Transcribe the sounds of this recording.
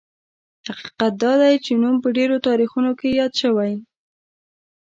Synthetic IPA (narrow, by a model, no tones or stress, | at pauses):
haqi̥qat̪̚d̪ɑd̪ajt͡ʃenumpəɖeɾot̪ɑɾixunokejɑd̪ʃəwaj